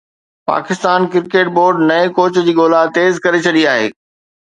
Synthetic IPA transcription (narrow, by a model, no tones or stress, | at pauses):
pa̰ːkɪst̪aːnkɪɾkeːʈ̚boːɾɖnɐẽkoːt͡ɕd͡ʑiːɡoːlat̪eːzkɐɾet͡ɕʰɐɗiaːɦeː